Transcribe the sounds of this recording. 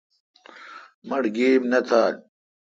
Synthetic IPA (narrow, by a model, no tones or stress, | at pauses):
mɐɽɡeːmnɐt̪ʰaːl